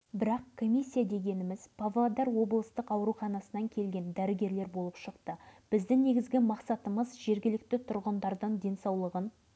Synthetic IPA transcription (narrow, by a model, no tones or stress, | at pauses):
bɪɾɑqkʰo̞mʲijsʲːijad̪e̞ɡʲe̞nɪmɪz̥pʰavlˠad̪ɑɾwo̞blˠəst̪əqɑwɾuχɑnɑsənɑŋkʲʰe̞lɡʲe̞nd̪æɾɪɡʲe̞ɾle̞ɾbo̞lˠəpʃəqt̪əb̥ɪzd̪ɪŋne̞ɡʲɪzɡʲɪmɑqsɑt̪əməzʒe̞ɾɡʲɪlɪk̚t̪ɪt̪ʰʊɾʁənd̪ɑɾd̪əɴd̪e̞nsɑwlˠəʁən